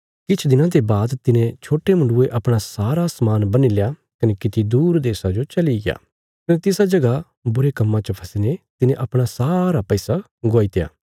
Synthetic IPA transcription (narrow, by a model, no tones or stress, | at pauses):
kɪt͡ʃʰd̪ɪnãd̪ebaːd̪t̪ɪnẽt͡ʃʰoːʈemʊ̃ɳɖʊeʔɐpɽ̃asaːɾasmaːnbɐnileja | kɐnekɪt̪id̪uːɾd̪eːsad͡ʒot͡ʃɐliɡɪja̰ː | kɐnet̪ɪsad͡ʒɐɡa | bʊɾekɐmːãt͡ʃəpʰɐsnet̪ɪnẽʔɐpɽ̃asaːɾapɛɪsa | ɡoːit̪eja̰ː